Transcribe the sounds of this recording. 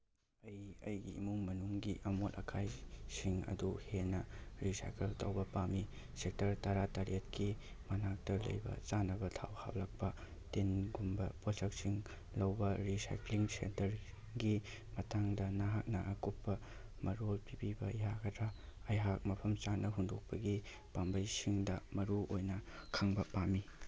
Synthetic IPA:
ɐjɐ̰jɡḭmuŋmɐnuŋɡiʔɐmolɐ̰kʰajsiŋɐ̰duhenɐɾisa̰jkeltɐwbɐpami | sek̚tɐɾtɐɾataɾetki | mɐnak̚tɐlɐ̰jbɐ̰t͡ʃanɐbɐtʰa̰wha̰p̚lɐk̚pɐ | tenɡumbɐposɐksiŋ | lɐwbɐɾisa̰jkliŋsḛntɐɾ | ɡi | mɐtʰaŋdɐnaɦak̚nɐʔɐkupːɐmɐɾolpibibɐjaɡɐdɾaɐjɦak̚mɐpʰɐmt͡ʃanːɐɦundok̚pɐɡi | pambɐjsiŋdɐmɐɾuʔojnɐkʰaŋbɐpami

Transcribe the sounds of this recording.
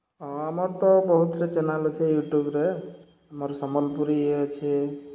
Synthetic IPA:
ɔamɔɾt̪ɔbɔɦut̪ɾet͡ʃenalot͡ʃʰɛjuʈjubɾe | amɔɾsɔməlpuɾiet͡ʃʰi

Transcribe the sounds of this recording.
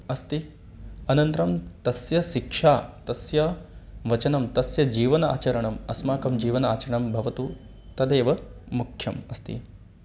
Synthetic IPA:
ɐst̪i | ɐnɐnt̪ɾɐmt̪ɐsjɐʃikʂaːt̪ɐsjɐʋɐt͡ʃɐnɐmt̪ɐsjɐd͡ʒiːʋɐna̰ːt͡ʃɐɾɐɳɐmɐsmaːkɐmd͡ʒiːʋɐnaːt͡ʃɐɾɐɳɐmbʱɐʋɐt̪u | t̪ɐd̪eːʋɐmukʰjɐmɐst̪ḭ

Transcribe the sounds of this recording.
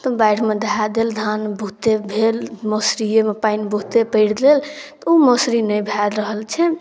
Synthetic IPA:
t̪ɔbajɽʰmed̪aɦad̪eld̪ʱanbʱut̪ebʱelmosɾijemepainbʱut̪epəɪɽlelt̪ɔumosɾinəjbʱɛlɾəɦəlt͡ʃʰɛ

